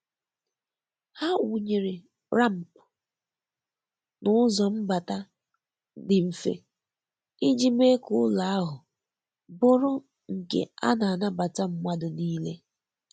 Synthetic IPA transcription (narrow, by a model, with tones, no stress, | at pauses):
ha˦wu˨ɲe˨ɾe˨ | ɾa˦˨m̩˨p | nʊ˦ʊ˦zɔ˨m̩˦ba˨ta˦ | dɪ˨m̩˨fḛ˦ | i˦d͡ʒi˦me˦kʊ˦ʊ˦la˨a˦ɦʊ˨ | bʊ˦ɾʊ˦ | ŋ̩˨kḛ˨a̰˦na˨na˦ba˨ta˦m̩˦ma˦dʊ˨niː˦le˦